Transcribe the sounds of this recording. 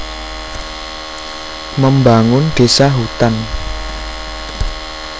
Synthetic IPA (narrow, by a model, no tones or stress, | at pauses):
məmbaŋʊnɖ̥esaɦut̪an